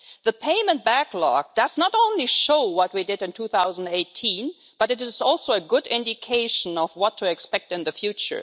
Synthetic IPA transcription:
ðəpʰẽɪ̃mə̃nt̚b̥æklɑ̰k̚d̥ʌznəɾõʊ̃nliʃoʊwʌt̚widɨɾɨ̃ntʰuθaʊzn̩deɪtʰĩn | b̥ʌɾɨɾɨzɔlˠsoʊəɡʊdɪ̃ndɪkʰeɪʃə̃nʌvwʌtʰɨɛkspɛk̚tɨ̃nðɨfjʉt͡ʃə̰˞

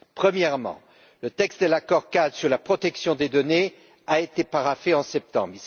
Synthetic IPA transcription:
pχəmjɛʁmɑ̰̃ | lət̪ɛkst̪̚d̪əlakɔʁkad̪syʁlapχɔt̪ɛksjɔ̃d̪ed̪ɔne | aet̪epaʁafeɑ̃sɛp̚t̪ɑ̰̃bʁi

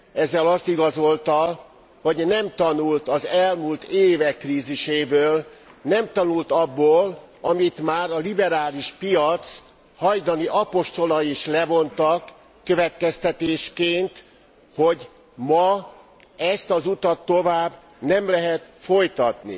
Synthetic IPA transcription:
ɛzːɛlɒst̪iɡɒzo̞lt̪ɒ | ho̞ɟnɛmt̪ɒnult̪ɒzɛlmult̪eːvɛkːriːziʃeːbøːlnɛmt̪ɒnult̪ɒbːoːl | ɒmit̪maːɾɒlibɛɾaːliʃpijɒt̪s | hɒjd̪ɒniʔɒpo̞ʃt̪o̞lɒiʃlɛvo̞nt̪ɒkː | øvɛt̪kɛst̪ɛt̪eːʃkeːnt̪ | ho̞ɟ | mɒ | ɛst̪ɒzut̪ɒt̪ːo̞vaːbː | nɛmlɛɦɛt̪fo̞jt̪ɒt̪nḭ

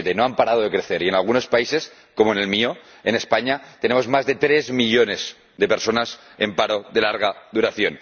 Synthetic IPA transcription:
t̪eno̞ampaɾað̞oðekɾe̞θe̞ɾienalɣuno̞spaise̞s | ko̞moene̞lmio̞ | e̞ne̞spaɲat̪e̞nemo̞zmazðe̞t̪ɾe̞zmiʎo̞ne̞z | ðepe̞ɾso̞nas | empaɾo̞ðe̞laɾɣ̞aðuɾaθjo̞n

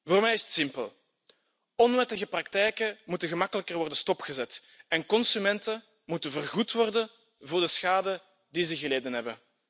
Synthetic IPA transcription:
voːrmɛjɪsətsɪmpə̰lˠ | ɔnʋɛtəɣəprɑktɛjkəmutənɣəmɑkələkərʋɔrdəstɔpxəzɛt | ɛnkɔnsymɛntə | mutənvərɣutʋɔrdə | vʊːrdəsxaːdə | dizəɣəleːdənɦɛbə

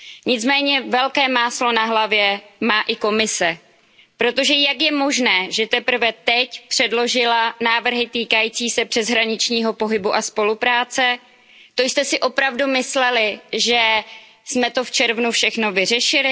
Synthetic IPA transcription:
ɲɪt͡smɛːɲɛvɛlkɛːmaːslo̞naɦlavjɛmaːʔɪko̞mɪsɛ | pɾo̞t̪o̞ʒɛjakjɛmo̞ʒnɛːʒɛt̪ɛpr̩vɛt̪ɛcpr̝̥ɛdlo̞ʒɪlanaːvr̩ɦɪt̪iːkajiːt͡siːsɛpr̝̥ɛzɦɾaɲɪt͡ʃɲiːɦo̞po̞ɦɪbuʔaspo̞lupɾaːt͡sɛ | t̪o̞jst̪ɛsɪʔo̞pɾavdumɪslɛlɪʒɛ | smɛt̪o̞ft͡ʃɛɾvnufʃɛxno̞vɪr̝ɛʃɪlɪ

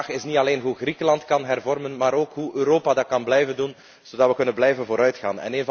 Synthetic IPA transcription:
xɪsnitɑleːnɦuɣrikəlɑntkɑnɦɛrvɔrmənmaːɾoːkɦuʔøɾoːpadɑt̚kɑnblɛjvəndun | z̥odɑtʋəkɵnənblɛjvənvoːɾœɥtxa̰ːnɛ̰neːnv

